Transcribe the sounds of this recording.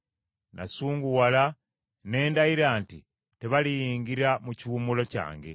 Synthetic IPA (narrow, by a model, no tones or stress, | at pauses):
nasuːŋɡuwala | ne̞ːndaiɾaːnti | te̞βalijiːŋɡiɾamuciwumulo̞ca̰ːŋɡe̞̰